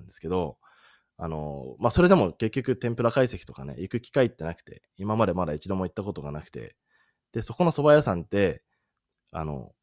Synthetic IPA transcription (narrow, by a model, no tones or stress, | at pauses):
nd̪esɨ̥ke̞d̪o̞ | a̰no̞̰maso̞ɾe̞d̪e̞mo̞ke̞kʲːokɯ̟t̪ẽ̞mpɯ̟ɾakaise̞kʲi̥t̪o̞ka̰ne̞̰ʔikɯ̟kʲi̥kait̪ːe̞nakɯ̟̥t̪e̞̰ | imamad̪e̞mad̪ait͡ɕid̪o̞moit̪ːako̞t̪o̞ɡanakɯ̟̥t̪e̞̰ | d̪̥e̞so̞ko̞no̞so̞bajasãnt̪e̞ | a̰no̞̰